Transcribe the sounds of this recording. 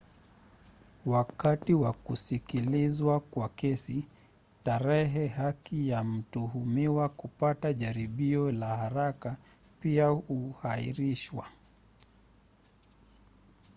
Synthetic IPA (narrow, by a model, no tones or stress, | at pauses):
wakatiwakusikilizwakwakɛsi | taɾɛɦɛɦakijam̩tuhumiwakupataʄaɾiɓiɔlahaɾaka | piahuhaḭɾiʃwa